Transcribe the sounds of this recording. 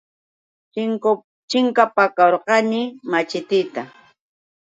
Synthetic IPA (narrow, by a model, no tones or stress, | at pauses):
t͡ʃɪŋk | t͡ʃɪŋkapakaɾqɑnɪmat͡ʃɪt̪ɪt̪a